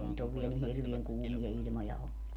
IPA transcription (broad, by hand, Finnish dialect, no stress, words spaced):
ei nyt oʋ ʋiɛl ni hirʋieŋ kuːmijɑ ilʲmojɑ olːu